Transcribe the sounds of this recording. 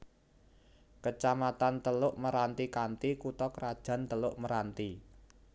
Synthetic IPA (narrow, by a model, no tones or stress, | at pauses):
kət͡ʃamat̪ant̪əlʊʔməɾant̪ikant̪ikut̪ɔkəɾad̥ʒ̥ä̤nt̪əlʊʔməɾant̪i